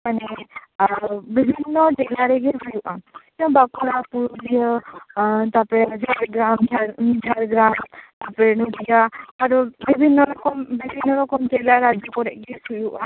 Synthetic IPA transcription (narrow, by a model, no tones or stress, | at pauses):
manɛ | bibʱinːɔtɛlaɾɛɡɛbujuʔat̪ɔ̃bakɔɾapuɾulijɔ | t̪apɛd͡ʒaɾɡɾamd͡ʒad͡ʒaɾɡɾamt̪apɛnudijaaɾubibʱinːɔɾɔkɔmbibʱinːɔɾɔkɔmtɛlaɾad͡ʒɔkɔɾɛʔɡɛsujuʔa